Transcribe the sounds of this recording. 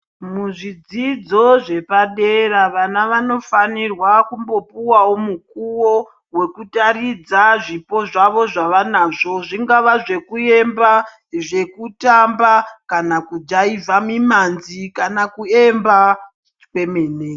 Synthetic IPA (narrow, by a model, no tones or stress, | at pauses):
muʐid͡zid͡zo̞ʐe̞paɗeraʋanaʋano̞fanirwakumbo̞puwawo̞muk̚uwo | we̞kutaɾid͡zaʐipo̞ʐaʋo̞ʐaʋanaʐo̞ʐiŋɡaʋaʐe̞kue̞mba | ʐe̞kutambakanakud͡ʒaivamimanzikanakue̞mba | kwe̞meːne